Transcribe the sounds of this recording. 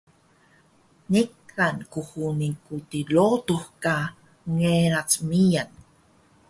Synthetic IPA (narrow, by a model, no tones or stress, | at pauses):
nikːankuxunikutilotuxka | ŋeɾat͡smijan